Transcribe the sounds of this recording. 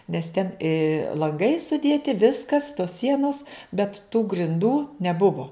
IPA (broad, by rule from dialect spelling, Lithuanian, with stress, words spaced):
nʲɛs tʲɛn ɪ lˠɐŋˈɡɐɪ sʊˈdʲeːtʲɪ ˈʋʲɪskɐs toːs ˈsʲiɛnoːs bʲɛt tuː ɡrʲɪnˈduː nʲɛˈbʊʋoː